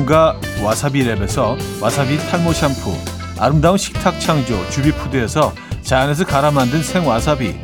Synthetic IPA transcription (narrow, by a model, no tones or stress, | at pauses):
ŋɡa | wasʰabiɾe̞be̞sʰʌwasʰabitʰaɭmoɕʰampʰṵ | a̰ɾɯmdaɯnɕʰi̥k̚tʰak̚t͡ɕʰaŋd͡ʑo̰t͡ɕubipʰudeesʰʌ | t͡ɕajanes̬ʰʌkaɾamandɯnsʰe̞ŋwasʰabḭ